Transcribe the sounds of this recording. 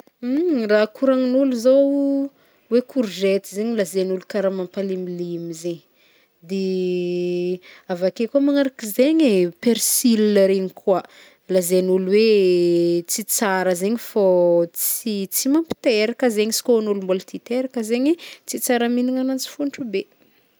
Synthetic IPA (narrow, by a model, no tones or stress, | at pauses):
rakuɾaŋinuluzo | wekʰuɾʒet̪izeɲilazenulukaɾamampalimilimizeɲ | d̪e | avakekamaŋaɾakizeɲepeɾsilinəɾenikʰwa | lazenuluwe | t͡sit͡saɾəzeɲfot͡sit͡simampi̥t̪eɾakəzeɲisi̥koanulumbolt̪it̪eɾakəzeɲit͡sit͡saɾaminiŋanant͡si̥funʈ͡ʂube